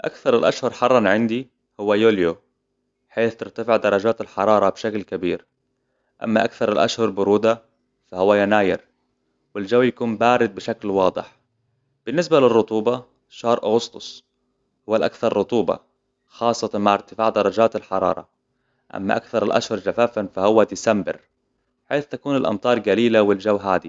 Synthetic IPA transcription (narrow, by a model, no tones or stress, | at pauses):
ʔa̰kθɑɾˤɪlʔaʃhʊɾˤħɑrˤːɑnʕɪnd̪i | hʊwːajoːljo | ħeːθt̪ɪɾt̪afɪʕd̪ɑɾˤːɑd͡ʒaːt̪alħɑɾˤɑːɾˤɑbʃaklkabiːɾ | ʔa̰mːaʔakθɑɾˤɪlʔa̰ʃhʊɾˤbʊɾuːd̪a | fahʊwːajanaːjɪ̰ɾ | wɪld͡ʒawːjakuːmbaːɾɪd̪̚bɪʃaklwɑːd̪ˤɨħ | b̥ɪnːɪsbalɪrˤːʊt̪ˤuːbɑ | ʃɑːɾˤʔaɣʊst̪ʊsˤ | hʊwːalʔa̰kθɑɾˤːʊt̪ˤuːbɑ̰ | xɑːsˤːɑt̪ɑnmaʕɪɾt̪ɪfaːʕd̪ɑɾˤɑd͡ʒaːt̪alħɑɾˤɑ̰ːɾˤɑ̰ | ʔa̰mːa̰ʔa̰kθɑɾˤɪlʔa̰ʃhʊɾˤd͡ʒafaːfanfahʊwːad̪ɪsambɪ̰ɾ | ħeːθt̪akuːnɪlʔɑ̰mt̪ˤɑːɾˤɡaliːlawɪld͡ʒawːɦaːd̪i